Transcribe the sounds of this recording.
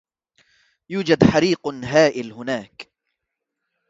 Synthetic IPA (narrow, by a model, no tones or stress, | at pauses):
juːd͡ʒad̪ħaɾiːqɦaːʔɪlhʊnaːk